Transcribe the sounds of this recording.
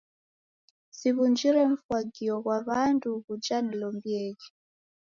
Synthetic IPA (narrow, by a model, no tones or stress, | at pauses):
siβund͡ʒiɾɛɱ̩fwaɡiɔkwaβantʰukud͡ʒanilɔmbiɛːki